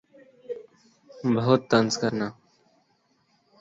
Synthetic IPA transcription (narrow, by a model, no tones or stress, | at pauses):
bəɦʊt̪ːənskəɾnaː